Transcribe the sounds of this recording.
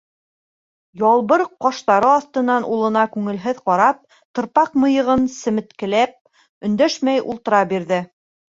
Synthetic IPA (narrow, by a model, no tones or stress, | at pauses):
jɑlˠβɤɾqɒʃt̪ɑɾɤɒθt̪ɤ̆nːɑnʔulˠɤ̆nɑkʉŋɘ̆lɦɘðqɑɾɑp̚ | t̪ɤ̆ɾpɑqmɤ̆jɤ̆ʁɤnsɘ̆mɘ̆t̪kɘ̆læp̚ | ɵ̆nd̪æʃmæjṵlˠt̪ɤ̆ɾɑbiɾðɘ